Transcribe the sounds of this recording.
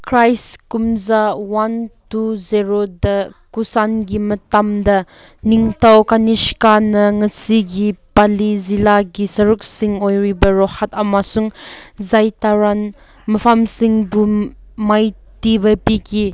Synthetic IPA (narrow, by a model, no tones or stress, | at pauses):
kɾajskumzawantuziɾodɐkusanɡimɐtamdɐ | niŋtawkaniskanɐŋɐsiɡipalizilaɡisɐɾuk̚siŋojɾibɐɾɔhatɐmasuŋzajtaɾan | mɐpʰamsiŋbumajtibɐpiki